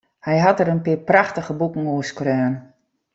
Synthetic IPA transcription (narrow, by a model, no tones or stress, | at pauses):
hɛjɦatəɾənpɪpraxtəɣəbukəŋ̩uəskrøːn